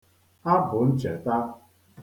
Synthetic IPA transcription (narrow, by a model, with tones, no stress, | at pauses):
a˦bu˨˦n̩˦t͡ʃə˨t̪a˦